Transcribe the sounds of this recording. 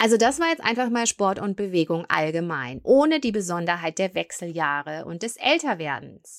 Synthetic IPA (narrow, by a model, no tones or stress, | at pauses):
ʔalzodasv̥aɐjɛt͡stʔaɪnfaχmaːlʃpɔɐtʊnt̚b̥əveːɡʊŋʔa̰lɡəmaɪnʔoːnədiːbəzɔndɐɦaɪt̚d̥eːɐvɛksl̩jaːʁəʔʊ̰nt̚d̥ɛsʔɛltɐveːɐdn̩s